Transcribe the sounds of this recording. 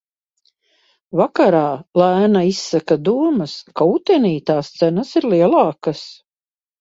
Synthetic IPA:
vakaɾaːlæːnaisːakad̪uɔmɐskaut̪ɛniːt̪aːst̪sænɐsiɾliɛlˠɑːkas

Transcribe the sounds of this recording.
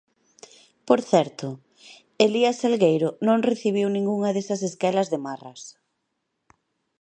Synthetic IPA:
poɾθɛɾt̪ʊ | eliasalɣejɾʊnõŋreθiβ̞iwnĩŋɡuŋɐðesɐseskɛlɐzðemarɐs

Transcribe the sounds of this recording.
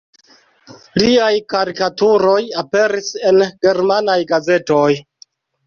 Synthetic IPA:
liajkaɾikatuɾo̞jape̞ɾise̞nɡ̥e̞ɾmanajɡaze̞to̞j

